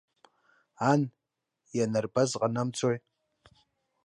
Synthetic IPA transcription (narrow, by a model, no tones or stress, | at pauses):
an | janarbazqʼanamt͡sʷʰoj